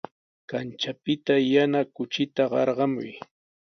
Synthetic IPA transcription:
kant͡ʃapɪt̪ajanakʊt͡ʃɪt̪aɢɑɾɢɑmʊj

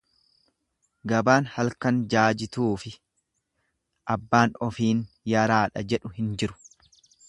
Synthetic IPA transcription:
ɡɐbaːnhɐlkɐnd͡ʒaːd͡ʒɪt̪uːfɪ | ʔɐbːaːnɔfiːn | jɐɾaːᶑɐd͡ʒɛᶑʊhɪnd͡ʒɪɾʊ̥

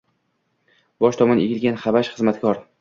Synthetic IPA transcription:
b̥ɒʃt̪ʰɒmɒneɡʲɪlɡʲanχabaʃχɨzmat̪kʲʰɒɾ

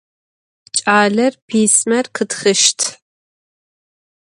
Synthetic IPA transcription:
t͡ʃʼaːɮɐrpʰiːsmɐrqʰɨtxɨʃtʰ

